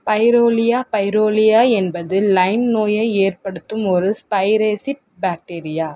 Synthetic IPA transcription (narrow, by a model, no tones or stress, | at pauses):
pɐɪɾoːlɪjaːpɐɪɾoːlɪjaːɛnbɐðɯlɐɪnnoːjɐɪeːrpɐɽɯt̪ːɯmɔɾɯspɐɪɾeːsɪʈ̚ | baːk̚ʈeːɾɪjaː